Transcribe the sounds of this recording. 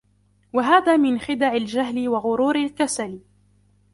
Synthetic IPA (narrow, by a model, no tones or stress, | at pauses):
waɦaːðaːmɪnxɪd̪aʕɪld͡ʒaɦlɪwaɣʊɾuːɾalkasal